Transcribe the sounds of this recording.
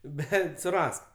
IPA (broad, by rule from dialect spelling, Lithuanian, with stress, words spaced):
ˈbʲɛt sʊˈrɐsk